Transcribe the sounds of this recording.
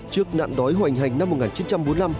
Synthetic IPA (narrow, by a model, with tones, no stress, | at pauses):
t͡ɕɨ˦˥ək̚na̰ː˧˨nɗɔ˨˦jɦwa˨˩ŋ̟ɦa˨˩jŋ̟na˧mː˨˩t̚ŋaː˨˩nt͡ɕi˨˦nt͡ɕa˧mɓo˨˦nla˧m